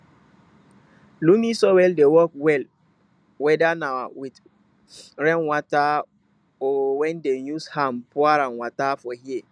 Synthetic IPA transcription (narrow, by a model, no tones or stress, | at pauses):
lumisowɛldewɔkwɛl | wɛdanaawit | ɹɛ̃nwɔta | ɔwɛ̃ndejushãmpɔaɾãnwatafɔɦie